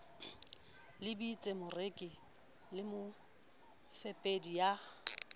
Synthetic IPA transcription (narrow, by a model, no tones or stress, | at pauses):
lɪbit͡sʼemʊrɪkʼɪ | lɪmʊ | fepʼedija